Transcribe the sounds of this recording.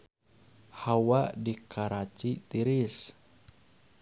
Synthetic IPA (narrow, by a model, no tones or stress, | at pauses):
hawadikʰaɾat͡ʃit̪iɾis